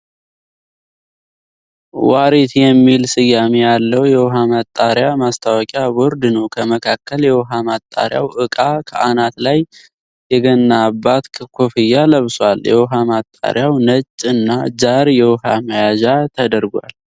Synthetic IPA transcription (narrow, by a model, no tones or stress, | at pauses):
waɾet̪jɛmːilsɨjːamejalːəwjɛwɦamat̪ʼːaɾjamast̪ʰawɔkʼjabɔɾd̪ɨnəwkʰəməkʰakːəljɛwɦamat̪ʼːa̰ɾja̰wʔɨkʼakʰəʔanat̪laj | jɛɡənːabːat̪ʰkʰofɨjːaləβswaljɛ̰wɦamat̪ʼːa̰ɾjawnət͡ʃʼːɨnːad͡ʒaɾjɛwɦaməjaʒat̪ʰəd̪əɾɡʷa̰l